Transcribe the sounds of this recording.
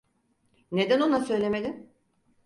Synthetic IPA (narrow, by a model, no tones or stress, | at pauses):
ne̞d̪æno̞nasø̞jlʲe̞me̞d̪im